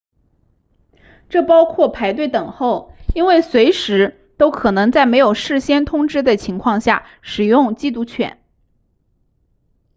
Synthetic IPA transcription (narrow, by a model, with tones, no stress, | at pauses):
ʈ͡ʂɤ˥˩pɑ˥ʊkʰwɔ˥˩pʰa˧˥ɪt̪we˥˩ɪt̪ɤ˨˩ŋxo˥˩ʊi˥nwe˥˩ɪswe˧˥ɪʂɻ̩˧˥ | t̪o˥ʊkʰɤ˨˩nɤ˧˥ŋt͡sa˥˩ɪme˧˥ɪjo˨˩ʊʂɻ̩˥˩ɕjɛ˥nt̪ʰʊ˥ŋʈ͡ʂɻ̩˥d̪ə˨t͡ɕʰi˧˥ŋkʰwɑ˥˧ŋɕja̰˥˩ | ʂɻ̩˨˩jʊ˥˧ŋt͡ɕi˥˧t̪u˥˩t͡ɕʰɥɛ̰˨˩˦n